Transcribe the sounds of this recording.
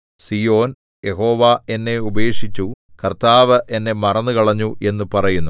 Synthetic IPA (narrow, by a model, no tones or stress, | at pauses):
sijo̞ːn | je̞ɦo̞ːʋae̞nːe̞ubeːkʂit͡ɕːukɐrt̪aːʋɐʔenːe̞mɐrɐnːukɐɭɐɲːuʔe̞nːupɐrɐjunːu